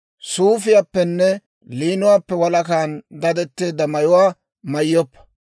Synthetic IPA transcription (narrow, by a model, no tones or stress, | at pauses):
suːfɪjaːpːɛnːɛ | liːnʊwaːpːɛwɐlɐkaːnd̪ɐd̪ɛt̪ːeːd̪ːɐmɐjʊwaː | mɐjːɔpːɐ̥